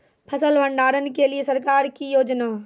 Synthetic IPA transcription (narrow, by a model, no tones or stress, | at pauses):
pʰəsəlʋə̃ɳɖaːɾənɪ̆keliesɐɾkaːɾkijoːd͡ʒnaː